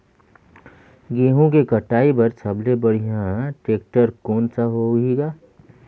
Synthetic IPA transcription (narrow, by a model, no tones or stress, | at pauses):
ɡeːɦõkekəʈaːipɐɾsʰəblebəɽ̤iɦãʈeːk̚ʈəɾkoːnsaɦoːɡiːɡaː